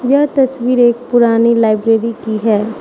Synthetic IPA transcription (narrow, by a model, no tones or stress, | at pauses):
jɐɦt̪ɐswiːɾeːk̚pʊɾaːnilaːɪbɾeːɾikiɦɛː